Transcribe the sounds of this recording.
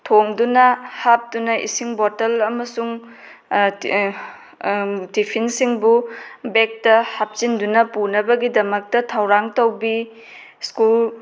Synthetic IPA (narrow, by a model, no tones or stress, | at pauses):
tʰoŋdunɐhap̚dunɐʔḭsiŋbotɐlɐmɐsuŋ | tipʰinsiŋbubek̚tɐhap̚t͡ʃindunɐpunɐbɐɡidɐmɐk̚tɐtʰɐwɾaŋtowbi | skul